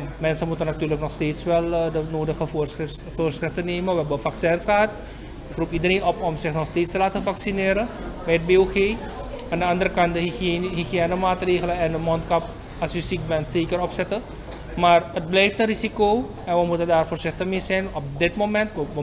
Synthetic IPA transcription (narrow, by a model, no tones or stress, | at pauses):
mɛnsəmutənatyːrləknɔxsteːtsʋɛlˠdənoːdəχə | foːrsχrɪftəneːməʋəɛbəfaksɛnsχəɦɑt | ɪkrupidəɾeːnɔpɔmsɪχnɔχsteːtstəlaːtəfaksinɪːɾə | bɛjət̚beːoχeː | aːndəɑndəɾəkɑnt̚dəɦiχiɛːnəmaːtreːχələɛndəmɔntkɑp | ɑsysik̚bɛntseːkərɔpsɛtə | maːrət̚blɛjftənrisikoː | ɛnʋəmutəndaːrfoːrz̥ɪχtəχmeːzɛjnɔp̚dɪtmomɛntʋəʋə